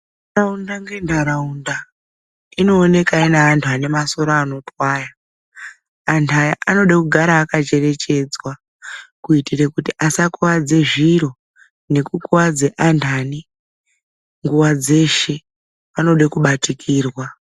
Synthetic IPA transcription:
aundaŋɡe̞ndʱaɾaunda | ino̞ːne̞kainaantʰuane̞maso̞ɾoano̞twaːja | ntʰajaʔano̞ɗakuɡʱaɾaːkat͡ʃe̞re̞t͡ʃe̞d͡zwa | kuitirekutiʔasakuwad͡ze̞ʐiɾo̞ | ne̞kukuwad͡zeʔantʰani | ŋɡuwad͡ze̞ʃe̞ | ʋano̞ɗekuɓatikʰiːrwa

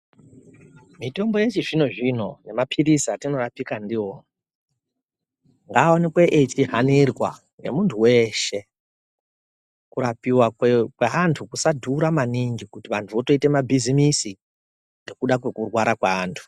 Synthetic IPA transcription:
mito̞mbo̞je̞t͡ʃiʐino̞ʐino̞ne̞mapʰiɾisatino̞rapikandiːwo | ŋɡaonikweʔet͡ʃiɦanirwa̰ | ŋɡe̞̰muntʰuwe̞ʃe̞ | kuɾapiwakweɦantʰukusadʱuɾamaniŋɡikutiʋantʰuʋo̞to̞ite̞mabʱizimisi | ŋe̞kuɗakwe̞kurwaɾakwaaːntʰu̥

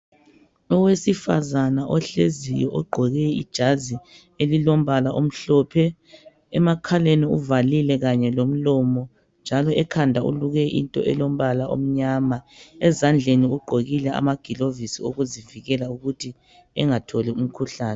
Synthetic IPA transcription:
ɔwesifa̰zanaʔɔɬezijɔʔɔɡ͡ǃʱɔɣɛḭd̥ʒ̥ʱazi | elilom̩βalaʔom̩ɬɔpʰɛ | ɛmakʰaleniuvalilɛɣaɲɛlom̩lɔmɔ | nd͡ʒʱalɔɛkʰandʱaṵluɣɛʔḭntʼɔ̰ʔɛlom̩βalaʔo̰m̩ɲaːmaɛzand͡ɮʱeniuɡ͡ǃʱoɣilɛa̰maɡ̥ʱilovisioɣuziviɣɛlauɣutʰi | ɛ̰ŋatʰolium̩kʰuɬaːnɛ

